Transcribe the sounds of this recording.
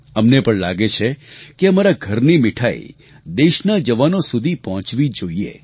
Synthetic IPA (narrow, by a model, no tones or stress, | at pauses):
əmnepəɳlaɡet͡ʃʰekeəmaɾaɡʱəɾnimɪʈʰa̰ḭ | d̪eʃnad͡ʒəʋanosud̪ʱipəɦɔ̃t͡ʃʋid͡ʒoiḛ